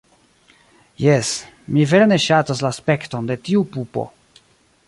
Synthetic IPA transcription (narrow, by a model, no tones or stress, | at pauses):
jes | miveɾne̞ʃatas̬laːspe̞kto̞nde̞tiupupo̞̰